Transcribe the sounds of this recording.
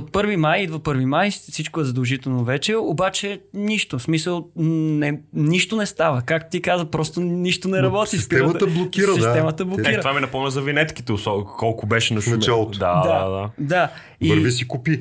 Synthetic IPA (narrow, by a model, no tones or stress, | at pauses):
ot̪̚pɤɾvimajid̪vɐpɤɾvimajfsit͡ʃkʊɛzəd̪əlˠʒit̪ɛlˠnovɛt͡ʃɛobat͡ʃɛniʃt̪osmisəlˠnɛniʃt̪onɛst̪avəkak̚t̪t̪ikazəpɾɔst̪oniʃt̪onɛɾɐbɔtsisist̪ɛət̪əblˠokʲisɾəiɛmət̪əblˠokiɾət̪vaminɐpɔmnʲəzɐvinɛt̪ki̥t̪ɛʊsɔkɔlˠkʊbɛʃɛnɐst͡ʃɛlˠd̪a̰d̪aad̪ad̪a | biɾvisikupi